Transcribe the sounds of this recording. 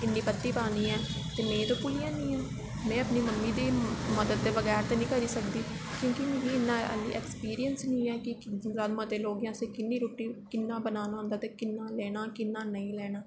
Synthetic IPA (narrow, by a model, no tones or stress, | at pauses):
ɪnːiːpət̪ːiːpəãːnd̪iːɛ̃ːt̪eːmẽːt̪õːpʊlijãːnĩːɛː | mɛ̃ːəpniːməmːiːd̪iːməd̪əd̪̚ːeːʋəɣɛːɾt̪eːnĩːkəɾiːsəkd̪iːkjõːkimẽːɡiɪnːãːə̰lːḭːʔɛːkspiːɾijənsnĩːɛːkɪzaːd̪mãːd̪eːloːɡjãːseːkɪnːiːɾoːʈːiːkɪnːãːbənaːnaõːnd̪aːt̪eːkɪnːaːlɛːnaːkɪnːaːnəĩːlɛːnaː